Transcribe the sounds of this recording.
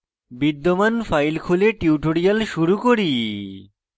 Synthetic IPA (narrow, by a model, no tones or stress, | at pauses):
bid̪ːomanfʰajlkʰuleʈiuʈoɾialʃuɾukoɾi